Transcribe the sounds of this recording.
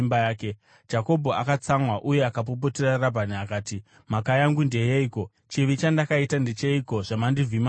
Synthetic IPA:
mbjaːke̞ | d͡ʒako̞bʱo̞akat͡samwaʔuje̞akap̬op̬oterarabʱaniakaːti | makajaŋɡundejeiːko̞ | t͡ʃiʋit͡ʃandakaitandet͡ʃeiko̞ʐ̥amandivima

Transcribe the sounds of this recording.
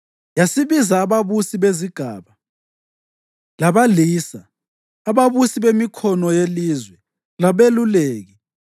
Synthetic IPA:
jasiβizaːβaβusiβeziɡ̥ʱa̰ːβa | laβaliːsaː | βaβusiβemikʰɔnɔjeliːzwɛ | laβeluleːɣi

